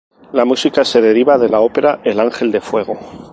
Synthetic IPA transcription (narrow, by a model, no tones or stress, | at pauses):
lamusikase̞ðe̞ɾiβaðe̞lao̞pe̞ɾae̞laŋxe̞ld̪e̞fwe̞ɣ̞o̞